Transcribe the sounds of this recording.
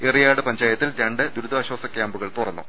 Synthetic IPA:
erijaːɽɨpɐɲd͡ʑaːjɐt̪ːilɾɐɳɖɨd̪uɾud̪aːɕwɐːsɐkʲjaːmbuɣɐɭt̪urɐnːṵ

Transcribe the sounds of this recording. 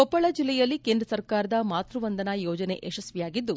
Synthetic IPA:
ɔpːɐɭɐd͡ʒilːɛjɐlːikeːnd̪ɾɐsɐɾkaːɾɐd̪ɐmaːt̪ɾuʋɐnd̪ɐnɐjɔːd͡ʒɐne̞̰ʔeʃɐsʋijaːɡid̪ːu

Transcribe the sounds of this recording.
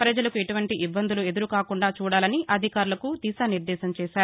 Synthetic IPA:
pɾɐd͡ʒɐlɐkueʈuʋɐɳʈiʔibːɐnd̪ulue̞d̪uɾukaːkuɳɖaːt͡ʃuːɽaːlɐniʔɐd̪ʱikaːɾulɐkud̪iːsaːniɾd̪ɛːsɐmt͡ʃɛːʃaːɾu

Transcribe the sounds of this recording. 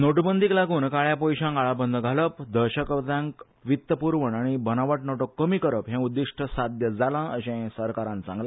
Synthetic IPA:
noʈbənd̪iklaɡuːnkaɭjapɔjɕãŋɡaɭabənd̪ʱəɡʱaləpd̪əɾɕəkəʋt̪ãŋk | ʋit̪ːəpuɾʋəɳaɽ̃ibənaʋəʈnɔʈɔkːəmikəɾəpɦɛ̃ud̪ːiʂʈʰəsad̪jəd͡zalãəɕɛ̃səɾkaɾãnt͡sã̰ŋɡla

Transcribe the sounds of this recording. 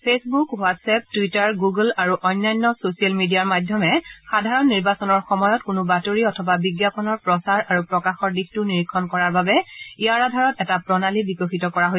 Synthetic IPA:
pʰesbukwatsɛp̚tuitaɹɡuɡlaɹuʔɔjnːajnːɔsosialmidijaɹmajdʱjɔmɛxadʱaɹɔnːiɹbasɔnɔɹxɔmɔjɔtkʊnubatoɹiɔtʰɔbabiɡjapɔnɔɹpɹɔsaɹaɹupɹɔkaxɔɹdixtʊniɹikʰːɔnkɔɹaɹbabɛijaɹadʱaɹɔtɛtapɹɔnalibikɔxitɔkɔɹaɦoj

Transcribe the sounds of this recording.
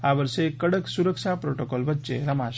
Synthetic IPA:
aʋəɾʃekːəɽəksuɾəkʃapɾoʈokolʋətːʃḛɾəmaʃ

